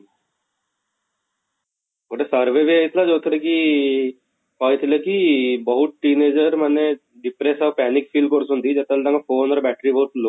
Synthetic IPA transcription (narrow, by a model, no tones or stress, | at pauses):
okːʈesɐɾʋeːʋeɐjit̪lad͡ʒoːt̪ɐɾɐki | paːjt̪ilɐkibɐɦut̪̚ʈineːd͡ʒɐɾmɐne | ɖipɾeːsɐːʋpaːnikfʰiːlɖ̚koɽusund̪id͡ʒɐt̪ːɐld̪ɐŋɡapʰoːnɐɾbaːʈɾiʋoːɾʈlo